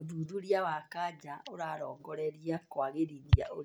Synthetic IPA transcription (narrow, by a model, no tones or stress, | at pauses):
ðuðuɾijawakad͡ʒaoɾaɾɔːŋɡɔɾɛɾiakkwaɣeɾiðia̰o